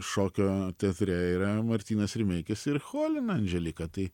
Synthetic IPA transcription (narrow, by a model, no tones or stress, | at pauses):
ʃoːkʲoːt̪ʲɛɐt̪ʲɾʲɛiːɾɐmɐɾʲt̪ʲiːnɐsɪɾʲmʲɛɪkʲɪsɪɾxoːlʲɪnɐnʲʒʲɛlʲɪkɐt̪ɐɪ